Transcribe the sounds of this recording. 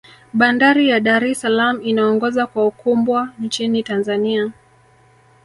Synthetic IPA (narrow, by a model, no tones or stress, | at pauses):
ɓandaɾijaɗaɾɛsalamuinaɔŋɡɔzakwaukumbwant͡ʃinitanzania